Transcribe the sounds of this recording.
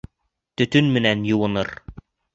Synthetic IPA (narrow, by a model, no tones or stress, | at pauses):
t̪ɵ̆t̪ɵnmɘ̆nænjŭwɤ̆nɤɾ